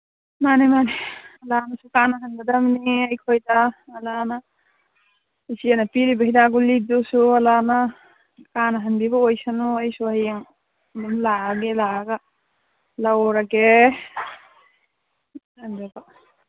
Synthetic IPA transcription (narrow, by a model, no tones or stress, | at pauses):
manemaneɐlanasukanaɦanɡadamniajkʰojdaːlana | sianapiɾibahidaɡulidusualana | kanaɦanbibaojsanuajsuajaŋ | dimlaɡelaɡa | lawɾake | andaba